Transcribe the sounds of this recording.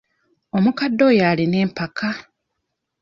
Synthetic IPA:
o̞mukadːo̞ːjaːlineːmpakʰa

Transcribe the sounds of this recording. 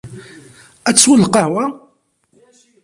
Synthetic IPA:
æt͡sːwəlqɑhwæ

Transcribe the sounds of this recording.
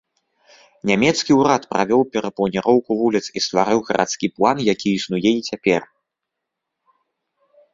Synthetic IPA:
nʲamʲɛt̪skʲiuɾat̪pɾa̰vʲɔwpʲɛɾɐplˠɐnʲɛɾɔwkuvulʲit̪sist̪vaɾɨwɣɐɾʔa̰t̪skʲiplˠanjakʲʰiisnujɛit͡sʲapʲɛr

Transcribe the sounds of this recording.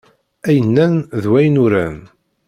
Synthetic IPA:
æjənːænðwæjənʊɾæ̰n

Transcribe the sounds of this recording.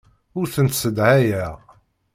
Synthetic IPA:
ʊɾθənt̪səd̪ʕæjæ

